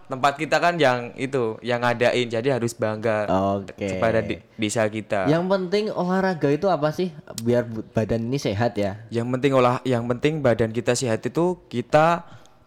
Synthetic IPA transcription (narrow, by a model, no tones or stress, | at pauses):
t̪əmpat̪̚kit̪akanjaŋḭt̪ujaŋadaʔɪnd͡ʒadiɦaɾʊsbaŋɡaokeəpada | desakit̪ajaŋpənt̪ɪŋolahɾaɡait̪uapasɪhbiarbb̥adaniniseɦat̪jajaŋpənt̪ɪŋolahjaŋpənt̪ɪŋbadankit̪aseɦat̪it̪ukit̪a